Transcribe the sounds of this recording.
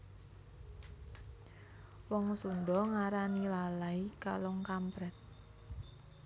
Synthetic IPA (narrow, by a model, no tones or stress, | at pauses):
wɔŋsundɔŋaɾanilalaika̰lɔŋkampɾɛt̪̚